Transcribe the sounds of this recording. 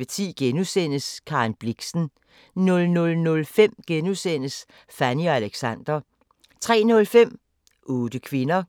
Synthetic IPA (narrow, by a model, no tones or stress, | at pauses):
ət͡sʰḭːɡ̥enusen̰əskʰɑ̈ːnb̥liɡ̥sn̩ | nɔ̽lnɔ̽lnɔ̽lfem̰ɡ̥enusen̰əs | fæniɒ̽æleɡ̥sæn̰d̥ʁɐ | t͡sʰʁɛ̰ːnɔ̽lfem̰ | ʔoːd̥əkʰʋe̝nɐ